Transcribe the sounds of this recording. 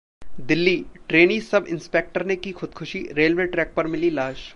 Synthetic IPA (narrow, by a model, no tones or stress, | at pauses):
d̪ɪlːiːʈɾeːnisɐbɪ̰̃nspeːk̚ʈəɾnekixʰʊd̪̚kʰʊʃiɾeːlʋeʈɾɛːk̚pɐɾmɪlilaːʃ